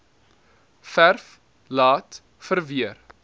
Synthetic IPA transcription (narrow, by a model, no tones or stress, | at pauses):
færf | lɑːt | fərviər